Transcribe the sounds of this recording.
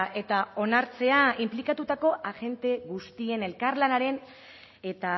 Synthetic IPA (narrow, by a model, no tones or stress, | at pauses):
ʔe̞t̪ao̞naɾt͡se̞aimplikat̪ut̪ako̞ʔaɣe̞nt̪e̞ɣust̪ie̞ne̞lkarlanaɾe̞n | e̞t̪a